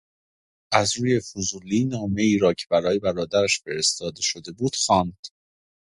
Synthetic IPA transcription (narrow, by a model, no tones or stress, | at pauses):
ʔæzɾuːje̞fuzuliːnɒːme̞iːɾɒːcʰebæɾɒːje̞bæɾɒːd̪æɾæʃfe̞ɾe̞st̪ɒːd̪e̞ʃo̞d̪e̞buːd̪̥xɒːnd̪̥